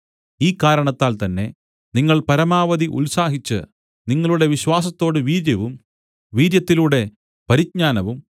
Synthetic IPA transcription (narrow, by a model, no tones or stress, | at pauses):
iːkːaːɾɐɳɐt̪ːaːlt̪ɐnːe̞ | niŋːɐɭpɐɾɐmaːʋɐðiʔṵlsaːɦit͡ɕːɨ̰ | niŋːɐɭuɽe̞ʋiɕwaːs̬ɐt̪ːo̞ːɽɨʋiːɾjɐʋum | ʋiːɾjɐt̪ːiluːɽe̞ | pɐɾit̚ɲaːnɐʋum